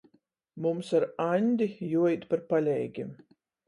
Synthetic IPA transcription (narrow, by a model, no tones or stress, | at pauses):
mumsaɾanʲd̪ʲijuɔjt̪ʲpaɾpalʲɛjɡʲim